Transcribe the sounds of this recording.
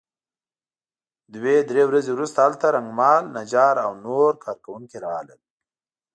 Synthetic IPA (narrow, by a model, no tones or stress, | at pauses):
d̪wed̪ɾewɾazewɾust̪aalt̪aɾaŋɡmɑlnad͡ʒɑɾawnoɾkʰɑɾkawuŋkeɾɑw̰ləl